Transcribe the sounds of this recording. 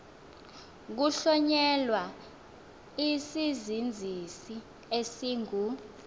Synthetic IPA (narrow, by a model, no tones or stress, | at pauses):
k̬uɬɔɲɛlwa | isizind͡zʱisi | esiːŋʱu